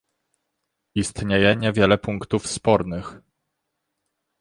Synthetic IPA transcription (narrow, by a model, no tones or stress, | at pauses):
ist̪ɲejɛɲɛvʲjɛlɛpuŋkt̪ufspɔɾnɘx